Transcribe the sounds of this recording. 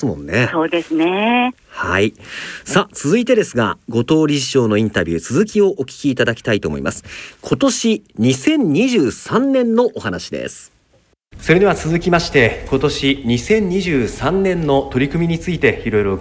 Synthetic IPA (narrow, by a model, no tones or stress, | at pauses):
mõ̞̰nːesoːd̪e̞sɨne | haisat͡sɨzɨit̪e̞d̪e̞sɨɡa̰ɡo̞t̪o̞ːɾʲiʑiɕo̞ːno̞ĩnt̪abʲɨ̰ːt͡sɨzɨkʲio̞ʔokʲi̥kʲiːt̪ad̪akʲi̥t̪ait̪o̞̰ːmo̞̰ḭma̰sɨ̥kʰo̞t̪o̞ɕiɲ̟isẽ̞ɲ̟ɲʲiʑɨːsãnːẽ̞nːo̞ʔohanaɕid̪e̞̰sɨ̥ | so̞ɾe̞d̪eβat͡sɨzɨkʲimaɕi̥t̪e̞ko̞t̪o̞ɕiɲ̟isẽ̞ɲ̟ɲiʑɨːsãnːẽ̞nːo̞t̪o̞ɾʲikɯmʲiɲ̟it͡sɨit̪e̞iɾo̞jɾo̞